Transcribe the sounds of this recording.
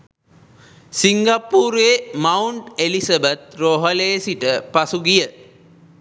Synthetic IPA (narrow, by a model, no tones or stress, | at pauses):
siŋɡapːuːɾeːmauɳʈelisɐbət̪̚roɦəleːsiʈəpasuɡijə